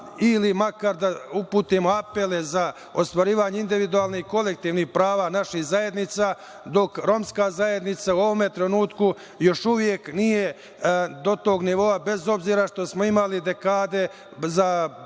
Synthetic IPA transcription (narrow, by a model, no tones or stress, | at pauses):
ilimakaɾd̪aupuːt̪imoape̞le̞za | o̞st̪ʋaɾiːʋaːɲeind̪iʋid̪uaːlˠnihko̞le̞k̚t̪iːʋnihpɾaːʋaːnaʃihzajed̪nit̪saː | d̪o̞kɾo̞mskaːzaje̞d̪nit̪sauo̞ʋo̞me̞t̪ɾenuːt̪ku | jo̞ʃuʋje̞knije̞ | d̪o̞t̪o̞ːɡniʋo̞abe̞zo̞bziːɾaʃt̪o̞smo̞imalid̪e̞kaːd̪e̞ | za